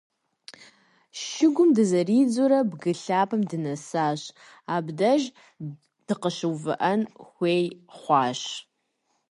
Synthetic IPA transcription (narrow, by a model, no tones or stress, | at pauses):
ʃɪɡʷʊmdɨzɐriːd͡zʊɾɐbɡɨɬaːpʰɐmdɨnɐsaːɕ | aːbdɐʒ | d̥ɨqəʃɨwvɨ̰ʔɐnxʷeːjχʷɑːɕ